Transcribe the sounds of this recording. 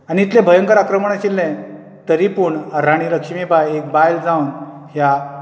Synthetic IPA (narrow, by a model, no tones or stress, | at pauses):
aniːt̪lɛ̃bʱəjəŋkəɾakɾəməɳ̃aɕilːɛ̃ | t̪əɾipuːɳəɾaɽ̃iləkʂmibajek̚bajld͡zaunɦja